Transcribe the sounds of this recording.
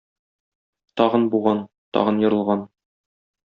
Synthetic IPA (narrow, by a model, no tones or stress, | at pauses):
t̪ɒʁɤnbuʁɑn | t̪ɒ̰ʁɤnjŏɾɤ̆lˠʁɑn